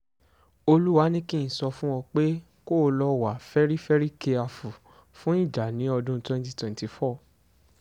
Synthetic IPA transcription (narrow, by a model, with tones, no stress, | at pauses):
o˧lu˦wa˦nĩ˦kĩ˦˨sɔ˧fũ˦wɔ̃˧k͡pe˦ | ko˦˨˧lɔ˦wa˨fɛ˦ɾi˦fɛ˦ɾi˦ke˧a˧fu˨ | fũ˦i˦˨d͡ʒa˨nĩ˨˦ɔ˧dũ˦twɛ̃˧nti˧twɛ̃˨nti˨fɔ˦˨